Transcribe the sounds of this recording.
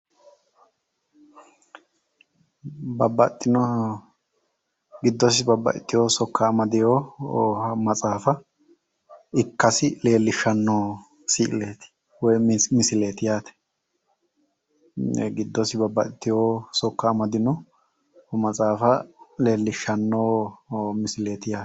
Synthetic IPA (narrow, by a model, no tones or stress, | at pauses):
bɐbːɐt̪ʼːɪnɔ | ɡɪd̪ːɔs̬ɪbɐbːɐ̰ʔɪt̪ːɪjoːsɔkːamɐd̪ɪjohɐmɐt͡sʼaːfɐ | ɪkːɐsɪle̞ːlːɪʃːɐnːoː | siːʔle̞ːt̪ɪ̥ | wɔjmɪsɪle̞ːt̪ɪjaːt̪ɛ̥ | ɛ̰ɡɪd̪ːɔsɪbɐbːɐʔɪt̪ːɪjoːsɔkːɐːmɐd̪ɪnɔ | hɔmɐt͡sʼaːfɐle̞ːlːɪʃːɐnːoːmɪsɪle̞ːt̪ɪjaː